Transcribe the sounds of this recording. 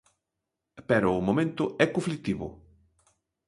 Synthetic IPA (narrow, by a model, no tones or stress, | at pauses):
pɛɾʊːmomẽnt̪ʊʔɛkõflik̚t̪iβʊ̰